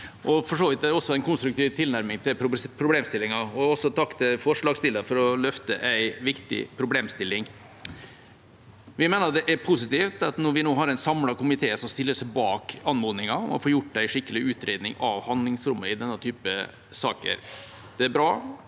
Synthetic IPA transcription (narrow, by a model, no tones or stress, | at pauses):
ʔɔfɔʂoːʋɪt̪̚d̪ɛæɾɔsːɔæɪnkʰʊnst̪ɾʉk̚t̪iːʋt̪ʰɪlnæɾmɪŋt̪ʰɪlʊpʰɾʊbleːmst̪ɪlːɪŋɑɔɔsːɔt̪ʰɑkːt̪ɪfɔʂɭɑːɡst̪ɪlːəfɔɾɔlœft̪əʔæɪʋɪkt̪ɪ̰pʰɾʊbleːmst̪ɪlːɪŋ | ʋɪmeːnəɾd̪ɛʔæɾpʰʊsɪt̪iːft̪ɑt̪nɔɾʋɪnoːɦɑɾæɪnsɑmlɑkʊmɪt̪ʰeːsɔmst̪ɪlːəʂæɪbɑːkɑnmoːnɪŋɑɔmɔ̰foːjʊʈːæɪʂɪkːəlɪʉːt̪ɾeːd̪nɪŋɑʋhɑnd̪lɪŋsɾʉmːəɪd̪ɛnːət̪ʰyːpə | sɑ̰ːkə̰ɾ | d̪̥ɛæbɾɑ̰ː